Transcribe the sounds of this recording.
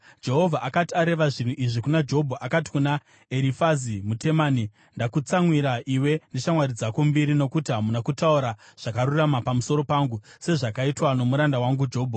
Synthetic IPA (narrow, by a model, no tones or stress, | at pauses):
d͡ʒe̞ɦo̞vʱaʔakatiaɾe̞ʋaʐin̤uʔiʐikunad͡ʒeɦobʱaʔakati̥kuna | eɾifazimute̞maːni | ndakut͡saŋwiɾaʔiwe̞neʃamwaɾid͡zakumbiɾino̞kutiɦamunakutauɾaʐ̥akaɾuramapamuso̞ɾo̞paːŋɡuse̞ʐakaitwano̞muɾandawaŋɡud͡ʒeɦoːbʱa